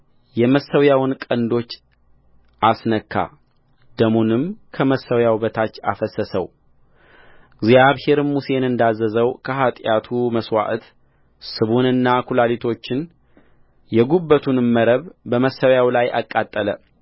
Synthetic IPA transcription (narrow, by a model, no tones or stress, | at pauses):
jɛməsːəwjawnkʼənd̪o̞t͡ʃː | ʔasnəkʰːa̰ | d̪əmunɨmkʰəməsːəwjawbət̪ʰat͡ʃːa̰fəsːəsə̰w | ɡzijaβhe̞ɾmuse̞nɨnd̪azːəzəwkʰəɦat̪ʼjat̪ʰuməswa̰ʔt̪ | sɨβunɨnːakʰulalit̪ʰo̞t͡ʃːɪn | jɛɡubːət̪ʰunmːəɾəβbəməsːəwjawlajʔa̰kʼːat̪ʼːələ̰